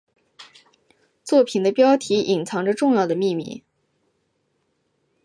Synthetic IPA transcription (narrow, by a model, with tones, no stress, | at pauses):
t͡swɔ˥˩pʰi˨˩nd̪ə˦pjɑ˥ʊt̪ʰi˧˥ʔi˨˩nt͡sʰɑ˧˥ŋʈ͡ʂə˧ʈ͡ʂʊ˥˧ŋjɑ˥˩ʊd̪ə˩mi˥˧mḭ˥˩